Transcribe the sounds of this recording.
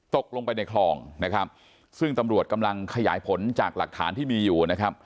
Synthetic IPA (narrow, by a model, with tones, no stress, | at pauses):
t̪o˨˩k̚lo˧ŋpa˧jna˧jkʰlɔː˧˩ŋna˦˥kʰa˦˥p̚ | sɯ˥˩ŋt̪a˧mɾu˨˩ət̪̚ka˧mla˧ŋkʰa˧ja̰ː˩˦jpʰo˩˦nt͡ɕaː˨˩k̚la˨˩k̚t̪ʰːa̰ː˩˦nt̪ʰiː˥˩miː˧juː˨˩na˦˥kʰa˦˥p̚